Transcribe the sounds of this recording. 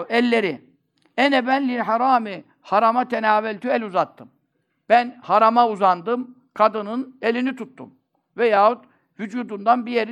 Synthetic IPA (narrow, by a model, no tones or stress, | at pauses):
ɛlʲːe̞ɾɪ | ɛnɛbænlʲilɦaɾaːmi | haɾamat̪ʰenaːvɛlʲt̪ʰyɛlʲuzat̪ʰːɯm | b̥ænhaɾamauzand̪ɯm | kʰad̪ɯnɯnelʲinit̪ʰut̪ːṵm | vɛjaːhut̪ | vyd͡ʒuːd̪und̪anbijeɾ